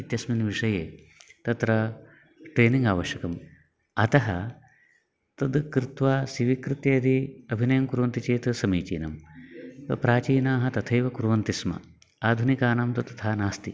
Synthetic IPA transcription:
it̪jɐsminʋiʂɐjeː | t̪ɐt̪ɾɐ | ʈɾeːniŋɡaːʋɐʃjɐkɐm | ɐt̪ɐɦɐ | t̪ɐd̪kɾɪt̪ʋaːsiʋikɾɪt̪jeːd̪iɐbʱinɐjɐmkuɾʋɐnt̪it͡ʃeːt̪sɐmiːt͡ʃḭːnɐm | pɾaːt͡ʃiːnaːɦɐt̪ɐt̪ʰɐjʋɐkuɾʋɐnt̪ismɐ̰ | aːd̪ʱunikaːnɐmt̪ɐt̪ɐ̥t̪ʰaːnaːst̪i

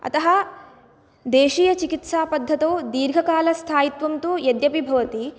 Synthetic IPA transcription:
ɐ̰t̪ɐɦɐ | d̪eːʃiːjɐt͡ʃikit̪saːpɐd̪ʱːɐt̪oːd̪iːɾɡʱɐkaːlɐst̪ʰaːjit̪ʋɐmt̪uːjɐd̪jɐpibʱɐʋɐt̪i

